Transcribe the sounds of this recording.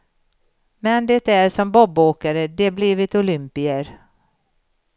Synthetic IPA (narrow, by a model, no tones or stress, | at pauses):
mɛnd̪ɛt̪æɾʂɔmbɔbːoːkaɾəd̪ɛbliːvɪt̪ʊlʏmpɪəɾ